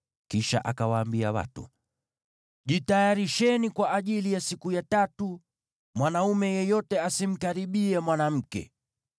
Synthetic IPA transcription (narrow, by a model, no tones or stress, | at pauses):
kiʃa̰ʔakawaːmbiawa̰tṵ | ʄitajaɾiʃɛnikwaʔaʄilijasikujatatu | mwanaumɛjɛjɔtɛasim̩kaɾiɓiɛmwanam̩kɛ̰